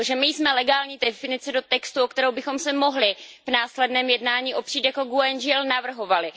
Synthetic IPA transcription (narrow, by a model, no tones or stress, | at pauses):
oʒɛmɪjsmɛlɛɡaːlɲiːdɛfɪnɪt͡sɛdo̞t̪ɛkst̪uokt̪ɛɾowbɪxo̞msɛmo̞ɦlɪvnaːslɛdnɛːmjɛdnaːɲiːʔo̞pr̥iːt̪jako̞ɡuɛnʒɪɛlnavr̩ɦo̞valɪ